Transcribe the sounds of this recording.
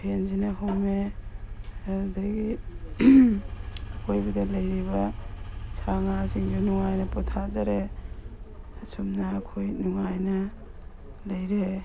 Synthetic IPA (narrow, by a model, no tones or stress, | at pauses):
pʰenzinɐɦome | daɡi | kʰojbidɐlɐjɾiβɐ | sʰaŋasiŋɡunuŋajnɐpɔtʰazaɾe | sumnɐːkʰojnuŋajnɐ | lɐjɾe